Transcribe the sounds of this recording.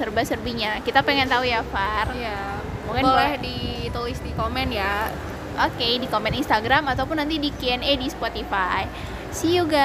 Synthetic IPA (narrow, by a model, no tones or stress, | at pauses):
ərbasərbiɲakit̪apeŋɛnt̪aujafarja | muŋkanboblɛhdit̪ulisd̪ikomɛnja | ʔokedikomɛninst̪aɡɾamat̪awp̬ʊnːant̪idikiɛnedispot̪ifaj | sihjuɡa